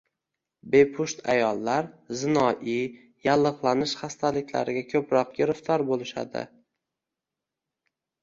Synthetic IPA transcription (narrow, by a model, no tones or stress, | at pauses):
be̞pʰʊʃt̪a̰jɒlˠːaɾzɪnɒʔi | jalˠːɨqlˠanɪʃχast̪ʰalɪkʲla̰ɾɪɡʲakʲʰɵpɾɒqɡʲɪɾɪft̪ʰɒɾbolɪʃa̰d̪ɪ̰